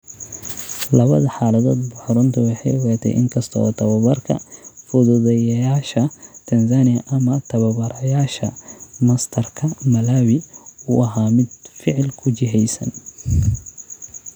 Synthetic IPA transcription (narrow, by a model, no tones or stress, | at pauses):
lɐβɐðɐħaːlɐðɔːd̪bʊħɔɾʊnt̪ʰɐwɑħɑjwɑːt̪ʰɛ̰ʔɪ̰ŋkʰɐst̪ʰɔɔ̰ːt̪ʰɐβɐβɐrkʰɐ̰fʊðʊðɛjɐjaːʃɐt̪ʰɐnsaːnɪjɐʔɐmɐt̪ʰɐβɐbɐɾɐjaːʃɐmɐst̪ʰɐrkʰɐmɐlaːwɪuːʔɐɦaːmɪd̪fɪʕlkʰʊt͡ʃɪɦɛjsɐn